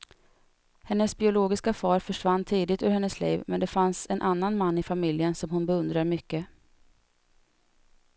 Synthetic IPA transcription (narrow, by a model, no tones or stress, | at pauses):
hɛnːəsbɪʊloːɡɪskafɑːɾfœʂvanːt̪ʰiːd̪ɪt̪ɵ̰ːɾhɛnːəsliːvmʔɛ̰nd̪ɛfansɛnʔanːanmanːɪfamɪljənsɔmhʊnbɛɵnd̪ɾaɾmʏkːə